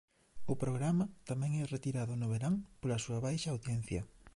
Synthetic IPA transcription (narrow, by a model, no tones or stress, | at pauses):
ʊpɾoɣɾamɐt̪amɛ̃ŋɛret̪iɾaðʊnʊβeɾaŋpolɐsuɐβajʃɐːwðjɛn̟θjɐ